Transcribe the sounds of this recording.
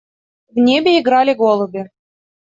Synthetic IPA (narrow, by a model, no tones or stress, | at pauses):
vnʲebʲeiɡɾɑlʲeɡolˠɤ̆bʲĕ